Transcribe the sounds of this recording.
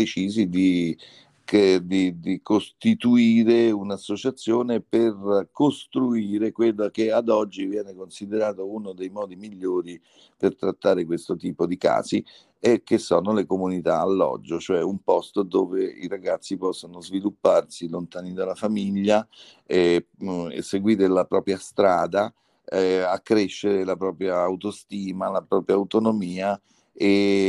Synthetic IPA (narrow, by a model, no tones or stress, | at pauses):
d̪et͡ʃiːzid̪i | d̪id̪ikost̪it̪uiːɾeunasːot͡ʃat̪sːjoːneperkost̪ɾuiːɾekwelːakead̪ɔd͡ʒːivjɛːnekonsid̪eɾaːt̪ounod̪ejmɔːd̪imiʎːoːɾi | pert̪ɾat̪ːaːɾekwest̪ot̪iːpod̪ika̰ːzi | ɛk̟esːɔːnolekomunit̪aːlːɔ̰d͡ʒːot͡ʃoɛumpɔst̪od̪oːveḭɾaɡat̪sːipɔsːonozvilupːarsilont̪aːnid̪alafamiʎːa | ɛ | ḛsːeɡwiːɾelapɾɔːpɾjast̪ɾaːd̪a | akːɾeʃːeɾelapɾɔːpɾjaːwt̪ost̪iːmalapɾɔːpɾjaːut̪onomiːa | e